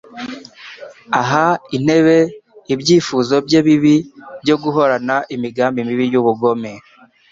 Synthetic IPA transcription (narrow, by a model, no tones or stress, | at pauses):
aɦain̥e̞βe̞ibɟiːfuːzo̞bɟeːβiβibɟo̞ɡuɦo̞ɾanaʔimiɡaːmbimiβijuβuɡo̞me